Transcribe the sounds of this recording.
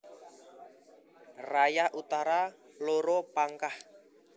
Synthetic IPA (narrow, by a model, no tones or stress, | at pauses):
rajahʔut̪aɾa | loɾɔpaŋkah